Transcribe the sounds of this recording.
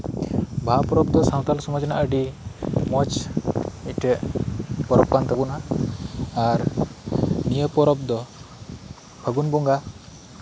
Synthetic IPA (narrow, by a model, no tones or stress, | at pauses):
bʱapɔɾɔb̚d̪ɔsãw̃t̪alsɔmɔd͡ʒna̰ʔəɖimɔt͡ʃ | icʈɛʔpɔɾɔp̚kant̪ɛbunaː | ɾ | nijəpɔɾɔp̚d̪ɔ | bʰʱəɡunbɔŋɡa